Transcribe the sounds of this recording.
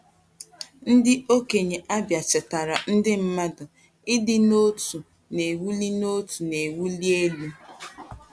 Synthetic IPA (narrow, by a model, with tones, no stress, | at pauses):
n̩˦dɪ˦o˦ke˨ɲe˨ʔa˦bja˨t͡ʃɪ˨ta˨ɾa˨n̩˦dɪ˦m̩˦ma˦dʊ˨ | ɪ˦dɪ˦no˦tu˨ | ne˨wu˦li˦no˦tu˨ne˨wu˦li˦e˦lu˦